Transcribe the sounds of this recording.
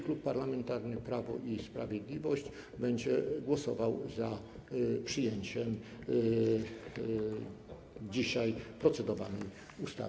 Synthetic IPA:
klupːaɾlamɛnt̪aɾnɘpɾavɔ̰ʔispɾa̰vʲjed̪lʲivɔɕd͡ʑ | bɛɲd͡ʑɛɡwɔsɔvawza | pʂɘjeɲt͡ɕɛm | d͡ʑiɕajpɾɔt̪sɛd̪ɔva̰nɛj | ust̪a̰

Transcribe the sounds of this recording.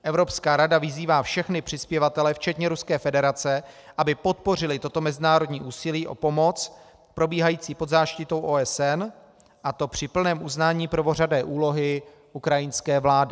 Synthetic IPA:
ʔɛvɾo̞pskaːɾadavɪziːvaːfʃɛxnɪpr̝̥ɪspjɛvat̪ɛlɛft͡ʃɛt̪ɲɛɾuskɛːfɛdɛɾat͡sɛ | ʔabɪpo̞t̪̚po̞r̝ɪlɪt̪o̞t̪o̞mɛzɪnaːɾo̞dɲiːʔuːsɪliːʔo̞̰po̞mo̞t͡s | pɾo̞biːɦajiːt͡siːpo̞d̪zaːʃcɪt̪o̞wʔoɛsɛn | ʔat̪o̞pr̝̥ɪpl̩nɛːmʔuznaːɲiːpɾvo̞radɛːʔuːlo̞ɦɪ | ʔukɾajɪnskɛːvlaːdɪ

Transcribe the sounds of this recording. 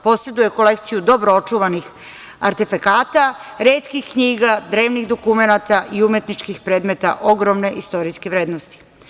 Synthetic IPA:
po̞sɾe̞d̪uje̞ko̞le̞kt̪sijud̪o̞bɾoo̞t͡ʃuʋanix | a̰ɾt̪efakaːt̪aɾeːt̪kixkɲiːɡad̪ɾe̞ːʋnixd̪o̞kumenat̪aʔiumje̞t̪nit͡ʃkixpɾeːd̪me̞t̪a̰ʔo̞ɡɾo̞mne̞ʔist̪o̞ɾijskeʋɾeːd̪nost̪i̥

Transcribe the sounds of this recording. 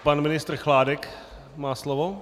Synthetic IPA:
panmɪnɪst̪r̩xlaːdɛk | maːslovo

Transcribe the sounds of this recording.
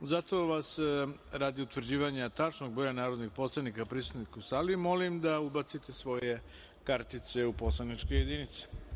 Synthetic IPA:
zat̪o̞ʋasɾaːd̪iut̪ʋr̩ɾd͡ʑiːʋaɲat̪at͡ʃnoɡ̚bɾojanaːɾod̪nixpo̞slˠanikapɾist̪ud̪nikusalimo̞limd̪aubat̪sit̪e̞sʋo̞je̞ | kaɾt̪it̪seupo̞slˠanit͡ʂko̞je̞d̪init̪si̥

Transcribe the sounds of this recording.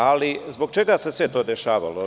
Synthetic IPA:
alizbo̞ɡ̚t͡ʃe̞ɡase̞sʋet̪o̞ːd̪eʃaːʋa̰lo

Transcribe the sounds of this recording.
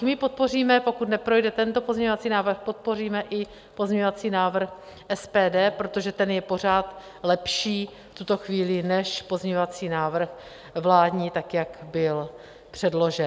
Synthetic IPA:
mɪpo̞t̪̚po̞r̝iːmɛpo̞kut̪nɛpɾo̞jdɛt̪ɛnt̪o̞po̞zɲɛɲovat͡siːnaːvrxpo̞t̪̚po̞riːmɛʔɪ | po̞zɲɛɲovat͡siːnaːvr̩x | ʔɛspɛːdɛːpɾot̪o̞ʒɛt̪ɛnjɛpo̞r̝aːt̪ | lɛpʃiː | ft̪ut̪o̞xviːlɪnɛʃpo̞zɲɛɲovat͡siːnaːvr̩x | vlaːdɲiːt̪akjakbɪl | pr̝̥ɛdlo̞ʒɛ

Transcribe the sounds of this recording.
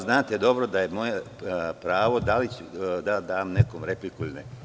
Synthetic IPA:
znaːt̪ed̪o̞bɾod̪aje̞mo̞je | pɾaːʋo̞d̪alit͡ɕud̪ad̪aːmnekomɾeplikulne

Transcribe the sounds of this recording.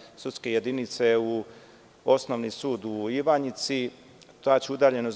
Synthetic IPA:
sut̪skeje̞d̪init̪se̞u | o̞snoʋnisuːd̪uiʋaɲit̪si | t̪oat͡ɕeud̪aːʎe̞noz

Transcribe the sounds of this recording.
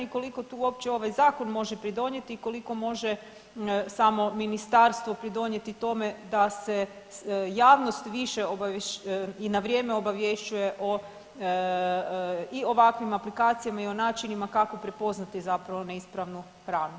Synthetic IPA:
iko̞liko̞t̪uːuo̞pt͡ɕeo̞ʋajzaːko̞nmo̞ʒepɾid̪o̞ɲe̞t̪iːko̞liko̞mo̞ʒe̞ | samo̞minist̪aɾst̪ʋo̞pɾid̪o̞ɲje̞t̪it̪o̞me̞d̪ase | jaːʋno̞st̪ʋiʃeoba | inaʋɾje̞ːmeo̞baʋje̞ʃt͡ɕuje̞ʔo̞ | io̞ʋakʋimaplikaːt̪sijamaio̞naːt͡ʃinimakako̞pɾepo̞znat̪izapɾaʋoneispɾaʋnu | xɾaːnu

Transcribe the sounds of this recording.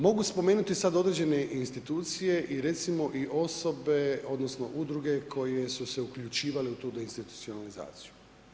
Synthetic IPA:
mo̞ɡuspo̞me̞ːnut̪isad̪o̞d̪ɾed͡ʑe̞ne̞ʔinst̪it̪uːt̪sije̞ʔiɾe̞t̪simo̞ʔiʔo̞so̞be̞o̞d̪no̞sno̞̰ʔud̪ɾuɡe̞kʰo̞je̞suse̞ukʎut͡ʃiːʋaleut̪uːd̪einst̪it̪u̥t̪sio̞naliza̰ːt̪siju

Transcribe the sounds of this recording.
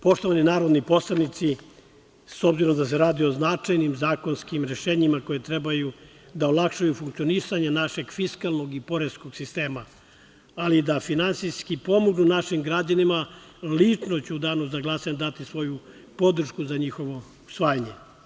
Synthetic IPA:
po̞ʃt̪o̞ʋaninaːɾod̪nipo̞slanit̪si | so̞bziɾo̞md̪as̬eɾaːd̪ioznat͡ʂajnimzaːko̞nskimɾe̞ʃeːɲimako̞jet̪ɾebaju | d̪aolˠakʃajufuŋkt̪sio̞nisaɲanaʃe̞ɡfiskalˠno̞ɡipo̞ɾesko̞ɡ̥sist̪e̞ːmaː | lid̪afinansijskipo̞moɡnunaʃimɡɾad͡ʑanima | lit͡ʂnot͡ɕeud̪anozaɡlˠasaɲed̪at̪isʋo̞ju | po̞d̪ɾ̩ʃkuzaɲixo̞ʋo̞ | u̥sʋaːjaɲe

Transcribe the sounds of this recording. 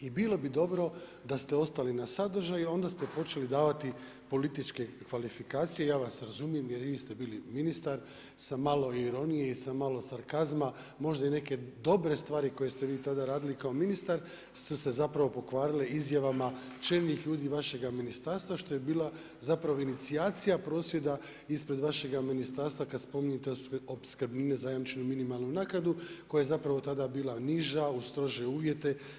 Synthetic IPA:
ibilˠo̞bid̪o̞bɾo̞d̪ast̪eo̞st̪alinasad̪r̩ʒajuo̞nd̪ast̪e̞po̞t͡ʃe̞lid̪aːʋat̪i | po̞lit̪it͡ʃke̞kʋalifikaːt̪sije̞jaːʋasɾazumije̞mje̞ɾʋiːst̪e̞biːliminist̪aɾ | samalo̞iɾo̞nijeisamalo̞saɾkazma | mo̞ʒd̪aine̞ke̞d̪o̞bɾe̞st̪ʋaːɾiko̞je̞st̪e̞ʋiːt̪ad̪aɾaːd̪ilikaominist̪aɾ | suse̞zapɾaʋo̞po̞kʋaːɾileizjaʋama | t͡ʃeɾnixʎuːd̪iːʋaʃe̞ɡaminist̪aːɾst̪ʋaʃt̪o̞jebiːla | zapɾaʋo̞init̪siaːt̪sijapɾo̞ːsʋje̞d̪a | ispɾe̞d̪ʋaʃe̞ɡaminist̪aɾst̪ʋakad̪spo̞miɲet̪eobskɾ̩bniːne̞zajamt͡ʃenuminimalˠnunaːkɾad̪uko̞jajezapɾaʋo̞t̪ad̪abiːlˠaniʒaust̪ɾo̞ʒieuːʋje̞t̪e̞

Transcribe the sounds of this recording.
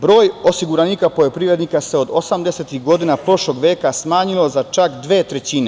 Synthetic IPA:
bɾo̞ːjo̞siɡuɾaniːkapo̞jo̞pɾiʋɾe̞d̪nikaseo̞d̪osamd̪eset̪iɦɡo̞d̪inapɾo̞ʃlo̞ɡʋeːkasmaːɲilo̞zat͡ʃakd̪ʋe̞ːt̪ɾe̞t͡ɕiːne̞

